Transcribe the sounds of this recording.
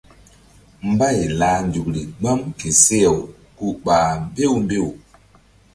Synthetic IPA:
m˦ba˦˨jla˨˦nd͡ʒu˨k̚ɾi˨ɡ͡ba˦mki˨se˦e˨w | ku˦ɓaː˨m˦be˦˨wmbe˦˨w

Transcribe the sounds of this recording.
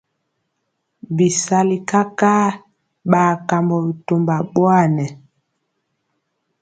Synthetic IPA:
bi˨sa˦li˨ka˦kaː˦ | ɓaː˨ka˨mbɔ˨bi˨to˨mba˨ɓwa˦˨nɛ˨

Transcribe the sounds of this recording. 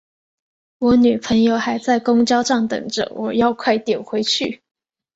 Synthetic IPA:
wɔ˧˥ny˨˩pʰə˧˥ŋjo˧ʊxa˧˥ɪt͡sa˥˩ɪkʊ˥ŋt͡ɕjɑ˥ʊʂɑ˥˩ŋt̪ɤ̰˨˩ŋʈ͡ʂə̰˨˦wʔɔ̰˨˩jɑ˥˧ʊkʰwa˥˩ɪt̪jɛ˨˩nxwe˧˥ɪt͡ɕʰy˥˩

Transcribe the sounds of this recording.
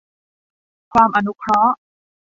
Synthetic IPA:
kʰwaː˧mʔa˧nu˦˥kʰɾɔ˦˥ʔ

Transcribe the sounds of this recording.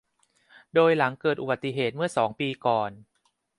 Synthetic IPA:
doː˧jla˩˦ŋkɤː˨˩t̪̚ʔu˨˩ba˨˩t̪ːi˨˧˨ɦeː˨˩t̪̚mɯ˥˩ɐsɔː˩˦ŋpiː˧kɔː˨˩n

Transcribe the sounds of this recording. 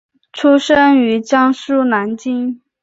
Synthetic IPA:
ʈ͡ʂʰu˥ʂə˥ny˧˥t͡ɕjɑ˥ŋʂu˥˩na˧˥nt͡ɕi˥ŋ

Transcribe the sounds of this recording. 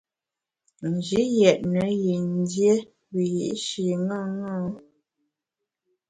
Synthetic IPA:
n̩˨d͡ʒi˦jɛ˨ʔnə˨˦ji˨n˦dje˦ | wi˨jḭ˨ʔʃi˨ŋa˦ŋɔ˦

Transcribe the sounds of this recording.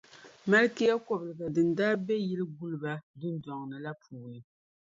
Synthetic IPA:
ma˦lki˦ja˦kɔ˨blɨ˨ɡa˨dɨ˨n̩˨daː˦bɛ˦jɛ˦lɨ˦ɡu˦lba˦du˦n˦dɔ˨ŋnɨ˨la˦pʰuː˨nɨ˨

